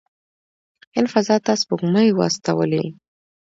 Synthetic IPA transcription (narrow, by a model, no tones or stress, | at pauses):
ɪlfazɑt̪ɑsbʊɡməjwa̰st̪awəlḭ